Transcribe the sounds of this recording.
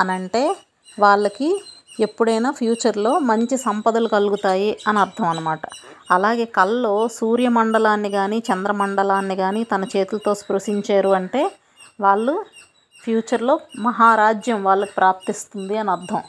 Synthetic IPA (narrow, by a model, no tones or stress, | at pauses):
ɐnɐɳʈe̞ː | ʋaːɭːɐkie̞pːuɽɐjnaːpʰjuːt͡ʃɐɾlo̞ːmɐɲt͡ʃisɐmpɐd̪ɐlukɐluɡut̪aːjiɐnɐɾd̪ʱɐmɐnːɐmaːʈɐɐlaːɡe̞ːkɐlːo̞ːsuːɾjɐmɐɳɖɐlaːnːiɡaːniːt͡ʃɐnd̪ɾɐmɐɳɖɐlaːnːiɡaːniːt̪ɐnɐt͡ʃe̞ːt̪ulɐt̪o̞ːspɾɐʂiɲt͡ʃeːɾuɐɳʈe̞ː | ʋaːɭːu | pʰjuːt͡ʃɐɾlo̞ːmɐɦaːɾaːd͡ʒjɐmʋaːɭːɐki̥pɾaːp̚t̪ist̪und̪iɐnɐɾd̪ʱɐm